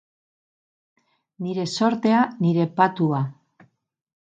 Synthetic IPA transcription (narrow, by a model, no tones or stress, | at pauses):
niɾe̞so̞ɾt̪e̞aniɾe̞pat̪ua